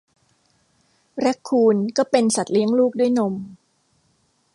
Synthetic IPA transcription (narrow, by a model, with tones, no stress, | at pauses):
ɾɛ˦˥kʰːuː˧nkɔː˥˩pe˧nsa˨˩t̪̚li˦əŋluː˥˩k̚du˥˩jno˧m